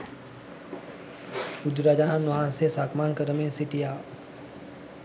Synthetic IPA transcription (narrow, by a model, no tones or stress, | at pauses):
pʊd͡ʒɾaːd͡ʒaːnanɐɦãsesaːkmaːnkəɾəmẽsɪʈijaː